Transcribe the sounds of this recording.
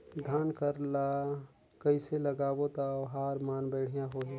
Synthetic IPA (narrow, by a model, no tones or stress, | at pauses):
d̪ʱaːnkəɾlaː | kəiselɐɡaːʋot̪aɦaːɾmaːnbɛːɽ̤ijãɦoːɦe